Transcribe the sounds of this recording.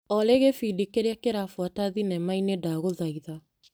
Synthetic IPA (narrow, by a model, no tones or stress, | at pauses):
ɔleɣefidikeɾeakeɾafwataðinɛmainedaɣoðaiða